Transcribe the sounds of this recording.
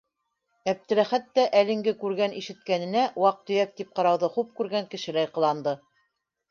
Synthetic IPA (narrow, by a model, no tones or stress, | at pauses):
æp̚t̪ɘ̆læχæt̪ːæʔælɘ̆ŋɡɘkʉɾɡæniʃɘ̆t̪̚kænɘ̆næwɑq̚t̪ɵ̆jæk̚t̪ip̚qɑɾɑwðɤχup̚kʉɾɡæŋkɘ̆ʃɘ̆læjqɤ̆lˠɑnd̪ɤ